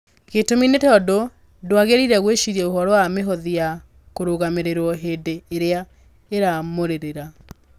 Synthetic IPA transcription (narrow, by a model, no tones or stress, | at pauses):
ɣetominetɔdo | dwaɣeɾiɾɛɣweʃiɾiɛoɦɔɾɔameɦɔðija | koɾoɣameɾeɾwɔɦeːdeːɾea | eɾamoɾeɾeɾa